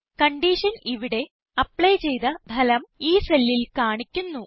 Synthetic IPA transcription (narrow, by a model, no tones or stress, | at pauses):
kɐɳɖiːʂɐniʋiɽe̞ | ɐpːɭɐjt͡ɕe̞jt̪ɐb̪ʱɐlɐmiːsɐlːilkaːɳikʲːunːu